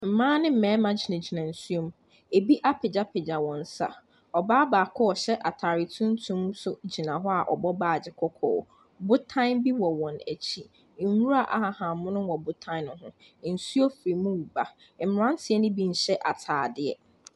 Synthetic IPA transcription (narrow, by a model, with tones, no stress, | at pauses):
m̩˨mãː˦nɪ̃˦m̩˨mɛ̃ː˨˦mã˦d͡ʑi˨nã˨d͡ʑi˨nã˨n̩˨su˦o˦m˦ | e˨bi˦ʔa˦pʰɛ˨d͡ʑa˦pʰɛ˨d͡ʑã˨wɔ̃˨n̩˨˦sa̰˨ | ɔ˨baː˦baː˨kʰɔ˦ɔ˨ɕɛ˦ʔa˨tʰaː˨ɾɪ˨tʰũ˦n̩˦tʰũ˦msʊ˦d͡ʑi˨nã˨ɦɔ˦a˨ʔɔ˨bɔ˦baː˨d͡ʑɪ˨kʰɔ˦kʰɔ̰ː˨ | bʊ˦tʰã˦ɪ̃˦nbi˦wɔ˨wɔ̃˨næ̰˨t͡ɕʰi˦ | n̩˨wu˦ɾa˨ʔa̰˦˨ha˨hã˨˦mʊ̃˦nʊ̃˦wɔ˨bʊ˦tʰã˦ɪ˦nʊ̃˨ɦʊ̃˦ | n̩˨su˦o˦fɾi˨mũ˦wu˨ba˨ | m̩˨m˨ɾã˦n̩˦sʰɪ˨ɛ˦nɪ̃˦bi˦n̩˨ɕɛ˦ʔa˨tʰaː˨dɪ˦ɛ̰˨